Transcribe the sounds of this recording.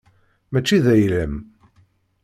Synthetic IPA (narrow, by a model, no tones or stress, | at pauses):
mæt͡ʃːiðæjləm